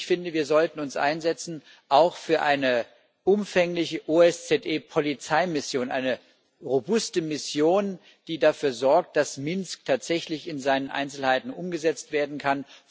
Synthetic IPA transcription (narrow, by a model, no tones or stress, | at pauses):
fɪndəviːɐzɔltn̩ʊnsʔa̰ɪnzɛt͡sn̩ | ʔaʊxfyːɐʔaɪnə | ʔʊmfɛŋlɪçəʔuɛst͡sɛtʔeːpʰolit͡saɪmɪsjoːnʔa̰ɪnə | ʁobʊstəmɪsjoːn | d̥iːdafyːɐzɔɐk̚t̚d̥asmɪnsk̚tʰaːtz̥ɛçlɪçɪnzaɪnənʔa̰ɪnt͡sl̩haɪtn̩ʔʊmɡəzɛt͡stv̥eːɐdn̩kʰan